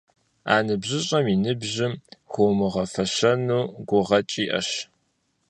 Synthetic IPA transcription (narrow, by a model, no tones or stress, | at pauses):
a̰ːnɨbʑɪɕʼɐminɨbʑɪmxʷomɨʁɐfɐɕɐnuːɡʷʊʁɐt͡ʃʼiːʔɐ̰ɕ